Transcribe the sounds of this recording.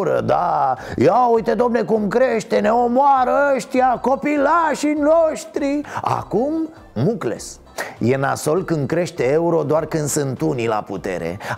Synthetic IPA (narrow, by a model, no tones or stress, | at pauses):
ɾə̰d̪a̰jaujt̪e̞d̪o̞mne̞kumkɾe̞ʃt̪e̞ne̞omoaɾəəʃt̪ijako̞pilaʃinoʃt̪ɾia̰kumː | ukle̞̰s | je̞na̰so̞lkɨnd̪̚kɾe̞ʃt̪e̞euɾo̞d̪oarkɨnd̪sɨnt̪unila̰put̪e̞̰ɾe̞̰